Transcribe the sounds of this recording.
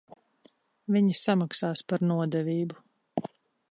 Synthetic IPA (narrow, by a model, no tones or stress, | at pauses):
viɲisamaksaːspaɾnuɔd̪ɛviːbu